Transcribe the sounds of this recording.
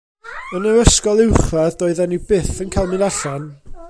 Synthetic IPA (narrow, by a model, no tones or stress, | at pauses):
ənəwəskɔlˠɪwχaðdoːɨðɛnibɪθənkʰalˠmɪnaɬan